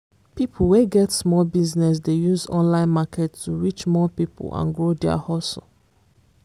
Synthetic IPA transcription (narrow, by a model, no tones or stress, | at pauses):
pipʰweɡɛtsmɔlbiznɛs̬dejuzɔ̰̃nlãɪ̃nmakʰɛtːuɹit͡ʃmɔpiplã̰nɡɹodɛə̰hɔsl